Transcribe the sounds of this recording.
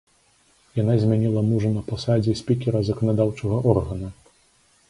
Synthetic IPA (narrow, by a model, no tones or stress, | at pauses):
janazʲmʲanʲilˠɐmuʐɐnɐpasad͡zʲɛsʲpʲikʲɛɾɐzɐkɐnad̪awt͡ʂɐɣɐʔɔrɣɐnu